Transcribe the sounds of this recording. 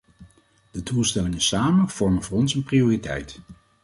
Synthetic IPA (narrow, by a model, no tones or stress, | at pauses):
d̥ədulˠstɛlɪŋənsaːmənv̥ɔɹmənvʊːrɔnsənpriʊːritɛ̰jt